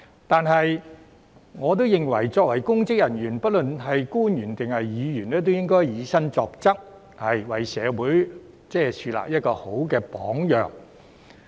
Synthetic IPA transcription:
t̪aː˨˧nɦɐ˨j | ŋɔː˨˧t̪̬o˥wjɪ˨ŋwɐ˨˩jt͡sɔː˧k̚wɐ˨˩jkʊ˥ŋt͡sɪ˥k̚jɐ˨˩njyː˨˩npɐ˥t̚lɵ˨nɦɐ˨jkuː˥njyː˨˩nt̪ɪ˨ŋhɐ˨jːiː˨˧jyː˨˩nɛː˥t̪̬wjɪ˥ŋkɔː˥jjiː˨˧sɐ˥ŋt͡sɔː˧k̚t͡sɐ˥k̚ | hɐ˨jwɐ˨jsɛ̰ː˨˧wuː˨˥j | t͡sɛː˥˩sʰyː˧la̰ː˨k̚jɐ˥t̚kɔː˧ho˨˥wkɛː˧pɔː˨˥ŋjœ̰ː˨˩ŋ

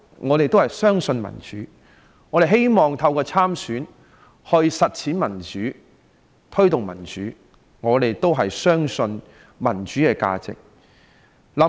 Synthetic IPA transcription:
ŋɔː˨˧t̪e˨jt̪whɐ˨˩jsœː˥ŋsɵ˧nmɐ̰˨˩nt͡ʃy̰ː˨˥ | ŋɔː˨˧ɾe˨jɦe˥jmɔː˨˩ŋt̪ʰɐ˧wkɔː˧t͡sʰaː˥msyː˨˥n | hɵ˧ɥsɐ˨t̚t͡sʰiː˨˥nmɐ˨˩nt͡ʃyː˨˥ | t̪ʰɵ˥ɥt̪ʊ˨ŋmɐ̰˨˩nt͡ʃyː˨˥ | ŋɔː˨˧t̪e˨jt̪o˥wɦɐ˨jsœː˥ŋsɵ˧n | mɐ˨˩nt͡ʃyː˨˥kɛː˧ka̰ː˧t͡sɪ̰˨k̚ | lɐ˨˥

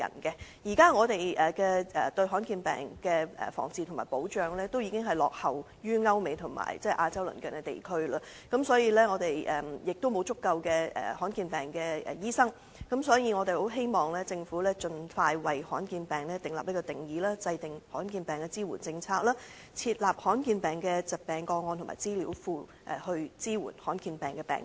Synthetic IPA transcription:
ɐ̰˨˩nkɛ˧jiː˨˩kaː˥ŋɔː˨˧t̪e˨˩jʔɛː˨kɛː˧ɛː˨˩t̪ɵ˧ɥɦɔː˨˥nkiː˧npɛ̰ː˨ŋkɛ̰ː˧˨fɔ̰ː˨˩ŋt͡siː˨tʰʊ˨˩ŋmaː˨˩jpo˨˥wt͡ʃœː˨ŋlɛː˥t̪o˥wji˨˧kɪ˥ŋɦɐ˨˩jlɔː˨k̚hɐ˨w | jyː˥ŋɐ˥wme˨jt̪ʰʊ˨˩ŋma̰ː˨˩jt͡sɛː˥ʔaː˧t͡sɐ˥wlɵ̰˨˩nkœː˨˩nkɛ˧t̪e˨jkʰɵ˥ɥlaː˧ | kɐ˨˥msɔː˨˥jiː˨˧lɛː˥ŋɔː˨˧t̪e˨jʔɛ˨jɪ˨k̚t̪o˥wmo˨˧wt͡sʊ˥kːɐ˧wkɛː˧ʔɛ̰ː˨˩hɔː˨˥nkiː˧npɛː˨˩ŋkɛ˧ɛ̰˨jiː˥sɐ˥ŋ | kɐ˨˥msɔː˨˥jiː˨˧ŋɔː˨˧t̪e˨jho˨˥wɦe˥jmɔː˨ŋlɛː˥t͡sɪ˧ŋfuː˨˥lɛː˥t͡ʃɵ˧nfaː˧jwɐ˨jhɔ̰ː˨˥nkiː˧npɛː˨˩ŋlɛː˥t̪ɪ˨ŋla̰ː˨p̚ni˥kɔ˧t̪ɪ˨˩ŋjiː˨˥laː˥t͡sɐ˧jt̪ɪ˨ŋhɔː˨˥nkiː˧npɛː˨˩ŋkɛ˧t͡siː˥wṵː˨˩nt͡sɪ˧ŋt͡sʰaː˧k̚laː˥ | t͡sʰiː˧t̚laː˨p̚hɔː˨˥nkiː˧npɛː˨˩ŋkɛ˧t͡sɐ˨˩k̚pɛː˨˩ŋkɔː˧ŋɔː˧nt̪ʰʊ˨˩maː˨jt͡siː˥liː˨˥wfuː˧ | ʔɛː˨˩hɵ˧ɥt͡siː˥wṵː˨˩nhɔː˨˥nkiː˧npɛː˨˩ŋkɛː˧pɛ̰ː˨˩ŋ

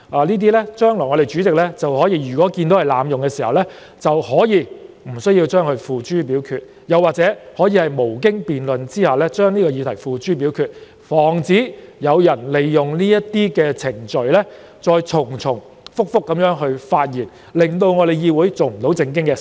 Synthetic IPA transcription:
aː˨˧niː˥t̪̬iː˥lɛ˥t͡ʃœː˥ŋlɔː˨˩jŋɔ˨˧ɾe˨˩jt͡ʃyː˨˥t͡sɪ˨k̚lɛː˥t͡sɐ˨whɔː˨˥jiː˧jyː˨kɔː˨˥ki˧nt̪o˨˥whɐ˨jlaː˨˧mjʊ˨ŋkɛː˧siː˨˩hɐ˨˩wlɛ˥ | t͡sɐ˨whɔː˨˥jiː˨˧ | m̩˨˩sɵ˥ɥjiː˧wt͡ʃœː˥ŋhɵ˧ɥfuː˨˧t͡ʃyː˥p̬iː˨˥wkʰyː˧t̚ | jɐ˨wːaː˨k̚t͡sɛː˨˥hɔː˨˥jiː˧hɐ˨jmo˨˩wk̬ɪ˥ŋpiː˨nlɵ˨nt͡siː˥haː˨lɛː˥t͡ʃœː˥ŋniː˥kɔː˧jiː˨˧t̪ʰɐ˨˩jfuː˨t͡ʃyː˥p̬iː˨˥wkʰyː˧t̚ | fɔː˨˩ŋt͡siː˨˥jɐ˨˧wjɐ˨˩nle˨jːʊ˨˩ŋniː˥jɐ˥tt̪iː˥kɛː˧t͡sʰɪ˨˩ŋt͡ʃɵ˨ɥlɛ˥ | t͡sɔː˧jt͡ʃʰʊ˨˩ŋt͡sʰʊ˨˩ŋ | fʊ˥k̚fʊ˥kːɐ˨˥mjœː˨˥ŋɦɵ˧ɥfaː˧t̚jiː˨˩n | lɪ˨ŋt̪o˧wŋɔ˨˧ɾe˨jjiː˧wuː˨˥jt͡so˨wm̩˨˩t̪o˨˥wt͡sɪ˧ŋk̬ɪ˥ŋkɛ˧

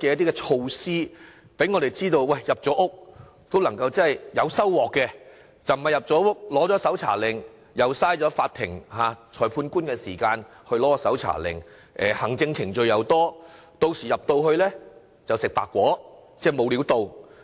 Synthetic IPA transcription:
kɛː˧jɐ˥t̪iː˥kɛ˧t͡ʃʰo˧wsiː˥ | pe˨˥jŋɔː˨˧ɾe˨˩jt͡siː˥t̪o˧wwɐ˧˩jːɐ˨p̚t͡ʃɔː˨˥ʔʊ˥k̚ | t̪o˥wlɐ˨˩ŋkɐ˧wt͡sɐ˥nhɐ˨jjɐ˨˧wsɐ˥wwɔː˨kːɛː˧ | t͡sɐ˨wm̩˩ɐ˨jɐ˨p̚t͡sɔː˨˥ʊ˥k̚lɔː˨˥t͡ʃɔː˨˥sɐ˨˥wt͡sʰa̰ː˨˩lɪ˨ŋ | jɐ˨˧wsaː˥jt͡ʃɔː˨˥faː˧t̪ʰɪ˨˩ŋhaː˨˧t͡ʃʰɔː˨˩pʰuː˧nkuː˥nkɛː˧siː˨˩kaː˧nhɵ˧ɥlɔː˨˥kɔ˧sɐ˨˥wt͡sʰa̰ː˨˩lɪ̰˨˩ŋ | ʔɛ̰ː˨˩hɐ˨˩ŋt͡sɪ˧ŋt͡sʰɪ˨˩ŋt͡ʃɵ˨˧ɥjɐ˨˧wt̪ɔː˥t̪o˧wsiː˨˩jɐ˨p̚t̪o˧whɵ˧ɥlɛː˥ | t͡sɐ˨wsɪ˨k̚paː˨kːʷɔː˨˥ | t͡sɛː˥˩mo˨˧wliː˨˥wt̪o˧w

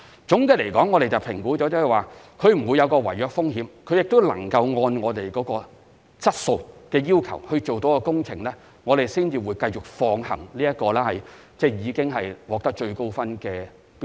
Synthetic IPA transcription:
t͡sʊ˨˥ŋke˧˥le˨˩jkɔː˨˥ŋɔ˨˧ɾe˨jt͡sɐ˨wpʰɪ˨˩ŋkuː˨˥t͡sɔː˨˥t͡sːhɛ˨˩jwaː˨˩ | kʰɵ˨˧ɥm̩˨˩wu˨˧jɐ˨˧wkɔː˧wɐ˨˩jœː˨k̚fʊ˥ŋɦiː˨˥mkʰɵ˨˧ɥjɪ˨k̚t̪o˥wlɐ̰˨˩ŋkɐ˧wŋɔː˧nŋɔː˨˧t̪e˨jkɔː˨˥kɔː˧ | t͡sɐ˥t̚so˧wkɛː˧jiː˥wkʰɐ˨˩whɵ˧ɥt͡so˨wt̪o˨˥wkɔː˧kʊ˥ŋt͡sʰɪ˨˩ŋlɛː˥ | ŋɔː˨˧ɾe˨jsiː˥nt͡siː˧wuː˨˥jkɐ˧jt͡sʊ˨˩k̚fɔː˧ŋhɐ̰˨˩ŋliː˥jɐ˥kɔː˧lɛː˥hɐ˨j | t͡sɛː˥˩jiː˨˧kɪ˥ŋɦɐ˨jwɔː˨k̚t̪ɐ˥k̚t͡ʃɵ˧ɥko˥wfɐ˥nkɛː˧˥

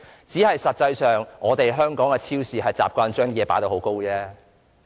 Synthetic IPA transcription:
t͡siː˨˥hɐ˨jsɐ˨t̚t͡sɐ˧jsœː˨˩ŋʔɔː˨˧t̪e˨jɦœː˥ŋkɔː˨˥ŋkɛ˧t͡sʰiː˥wsiː˨˩ɦɐ˨jt͡sa̰ː˨p̚kʷaː˧nt͡ʃœː˥ŋjɛː˨˧paː˨˥jt̪o˧˩hwko˥wt͡sɛː˥

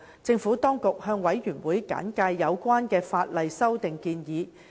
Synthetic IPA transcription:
t͡sɪ˧ŋfuː˨˥t̪ɔː˥ŋkʊ˨k̚hœː˧ŋwɐ˨˥jɥyː˨˩nwuː˨˥jka̰ː˨˥nkaː˧jːɐ˨˧wkʷaː˥nkɛː˧faː˧t̚lɐ˨jsɐ˥wt̪ɪ˨ŋkiː˧njiː˨˧

